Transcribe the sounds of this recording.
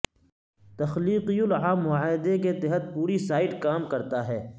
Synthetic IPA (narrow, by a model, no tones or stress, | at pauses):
t̪ɐxliːqijʊlʕaːmːʊaaːd̪eket̪ɛɦət̪̚puːɾisaːɪʈkaːmkɐɾt̪aɦɛː